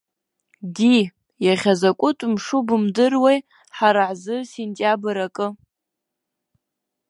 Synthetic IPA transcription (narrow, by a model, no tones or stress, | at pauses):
di | jaʁʲazakʷʼʊtʼmʂubɨmdɨrwej | ħaɾaʕzɨsentʼjabɨɾakʼɨ